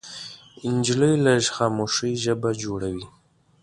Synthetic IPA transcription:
ind͡ʒləjlɐʒχaːmoːʂijʒəbad͡ʒoːɽawiː

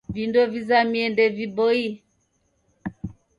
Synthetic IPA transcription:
vindɔvizamiɛndɛvibɔi

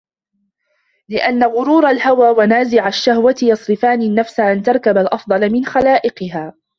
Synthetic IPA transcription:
lɪʔanːaɣʊɾuːɾalhawaːwanaːzɪʕaʃːahwat̪jɑsˤɾɪfaːnɪnːafsaʔant̪ɑɾˤkabalʔɑfd̪ˤɑlamɪnxalaːʔɪqɨɦaː

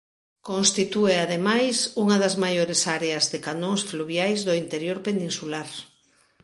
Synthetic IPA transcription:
kõnst̪it̪ueaðemajsuŋɐðazmajoɾesaɾeazðekanõŋsfluβjajzðoint̪eɾjoɾpenĩnsulaɾ

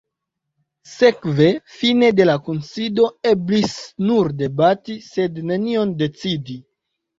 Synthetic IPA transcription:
se̞kve̞fine̞de̞lakonsido̞e̞blisnuɾde̞batise̞dne̞nio̞nde̞t͡sidi

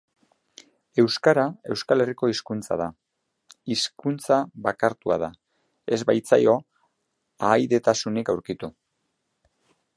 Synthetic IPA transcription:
e̞wskaɾae̞wskale̞riko̞iskunt͡sa̰ð̞a | iskunt͡saβakaɾt̪ua̰ð̞a | e̞zbajt͡sa̰jo̞ | aːjðe̞t̪asunikawɾkit̪u

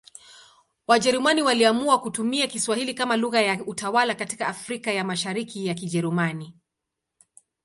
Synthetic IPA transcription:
waʄɛɾumaniwaliamuakutumiakiswahilikamaluɣajautawalakati̥kaːfɾikajamaʃaɾikijak̬iʄɛɾumani

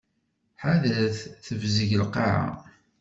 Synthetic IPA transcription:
ħaðæθθəvzəʝəlqɑʕa̰

